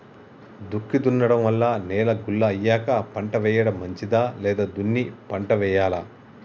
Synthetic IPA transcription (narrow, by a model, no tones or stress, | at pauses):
d̪ukːid̪unːɐɽɐmʋɐlːaːnɛːlɐɡulːɐːjːaːkɐpɐɳʈɐʋɛːjɐɽɐmːɐɲt͡ʃid̪aːlɛːd̪aːd̪unːipɐɳʈɐʋɛːjaːla